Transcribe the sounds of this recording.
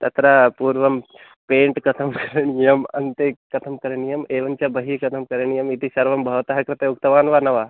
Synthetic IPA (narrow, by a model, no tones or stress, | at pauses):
t̪ɐt̪ɾapuːɾʋɐm | peːɳʈkɐt̪ʰɐmkɐɾɐɳijɐmɐ̰nt̪ekɐt̪ʰɐmkɐɾɐɳijɐmeːʋɐnt͡ʃɐbɐɦikɐt̪ʰɐmkɐɾɐɳijɐmit̪isɐɾʋɐmbʱɐʋɐt̪ɐɦɐkɾɐt̪euk̚t̪ɐʋaːnʋaːnɐʋaː